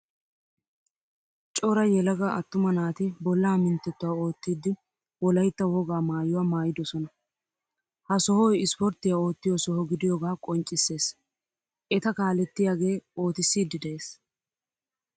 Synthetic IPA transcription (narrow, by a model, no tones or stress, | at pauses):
t͡ʃʼɔɾɐjɛlɐɡaʔɐt̪ːʊmɐnaːt̪ɪbɔlːaːmɪnt̪ːɛt̪ːʊwaːo̞ːt̪ːiːd̪ːɪ | wɔlɐjt̪ːɐwɔɡaːmaːjʊwaːmaːjɪd̪ɔsɔnɐ | hɐsɔhɔjɪspɔɾt̪ːɪjao̞ːt̪ːɪjɔsɔhɔɡɪd̪ɪjɔɡaːkʼɔnt͡ʃʼːɪsːe̞ːs | ʔɛt̪ɐkaːlɛt̪ːɪjaːɡe̞ːo̞ːt̪ɪsːiːd̪ːɪd̪ɛʔeːs